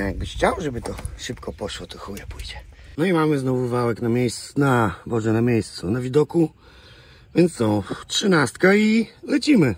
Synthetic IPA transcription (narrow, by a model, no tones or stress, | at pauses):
jaɡ̚bɘxt͡ɕawʐɛbɘt̪ɔʂɘpkɔpɔʂwɔt̪ɔxujɛpujd͡ʑɛnɔimamɘznɔvuvawɛknamʲjejst̪nabɔʐɛnamʲjejst̪sunavʲid̪ɔku | vʲjɛnt̪ssɔ̃tʂɨnast̪kailɛt͡ɕimɘ